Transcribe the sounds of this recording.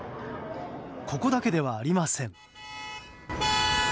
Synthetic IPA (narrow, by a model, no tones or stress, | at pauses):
kʰo̞ko̞d̪ake̞d̪e̞βaːɾʲimasẽ̞ŋ